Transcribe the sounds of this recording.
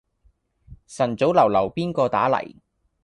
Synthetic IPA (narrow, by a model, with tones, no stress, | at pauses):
sɐ˨˩nt͡so˨˥wlɐ˨˩wlɐ˨˩wpiː˥nkɔː˧t̪a̰ː˨˥lɐ̰˨˩j